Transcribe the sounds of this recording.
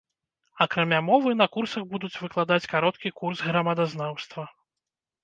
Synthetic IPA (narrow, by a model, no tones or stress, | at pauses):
ɐkɾamʲamɔvɨnɐkursɐɣbud̪ut͡sʲvɨklˠad̪at͡sʲkaɾɔt̪̚kʲikurzɣɾɐmad̪aznawst̪vɐ